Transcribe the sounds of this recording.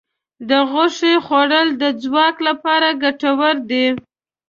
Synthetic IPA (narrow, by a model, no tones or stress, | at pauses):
d̪əɣʊʂexoɽəld̪əd͡zwɑklapɑɾaɡaʈawəɾd̪i